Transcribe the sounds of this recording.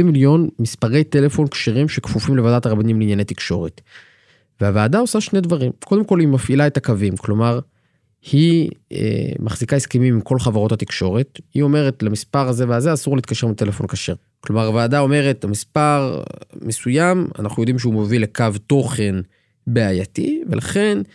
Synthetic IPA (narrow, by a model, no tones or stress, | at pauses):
imiljo̞nmispaʁe̞jt̪e̞le̞fo̞nkʃeʁimʃekfufimlevaːdat̪aʁabanimleinjanejt̪ikʃo̞ʁet | veaveːdao̞saʃne̞dvaʁimko̞d̪emko̞limafilaetakavimklo̞maʁ | hiḛmaχz̥ikaeskemimimko̞lχavaʁo̞tat̪ikʃo̞ʁethio̞me̞ʁe̞tlamispaʁaze̞veazeasuʁleit̪kaʃemit̪e̞lefo̞nkaʃeʁ | klo̞maʁaveaːdao̞me̞ʁe̞tamispaʁmesujama̰naχnujo̞d̪imʃeumovilekavto̞χe̞n | beajat̪ivelʔaχe̞n